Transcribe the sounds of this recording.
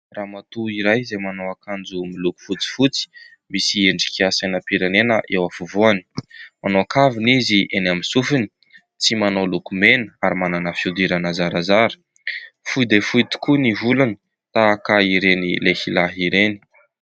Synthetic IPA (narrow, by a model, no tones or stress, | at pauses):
raːmat̪uiɾajzemanowakand͡zumiluku̥fut͡si̥fut͡si̥ | misieɳɖ͡ʐi̥kʰiasanəpiɾanenəʔewafuvuani̥manowakaviniziʔenaminsufini | t͡simanolukumenəaɾimananəfiud̪iɾanazaɾazaɾə̥ | fujd̪efuit̪i̥kuniɦulanə | t̪aːkaiɾenilehilaɦiɾeni̥